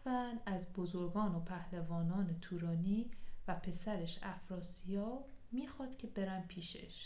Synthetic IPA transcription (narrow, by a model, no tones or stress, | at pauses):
vænæzbozoɾɡɒːnopʰæhlevɒːnɒːnet̪ʰuːɾɒːniːvæpʰe̞sæɾeʃæfɾɒːsijɒːmiːxɒːd̪̥cʲʰe̞be̞ɾæmpʰiːʃḛʃ